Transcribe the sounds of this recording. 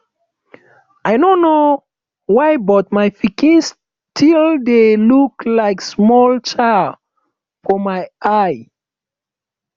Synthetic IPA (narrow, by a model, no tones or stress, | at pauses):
ʔajnono | wajbɔt̚majfikĩns | tʰildeluklaɪksmɔlt͡ʃa | fɔmajaj